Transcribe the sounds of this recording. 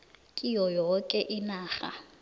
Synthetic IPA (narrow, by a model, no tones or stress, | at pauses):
kʼɪjɔjɔkʼɛʔɪnaːχa̰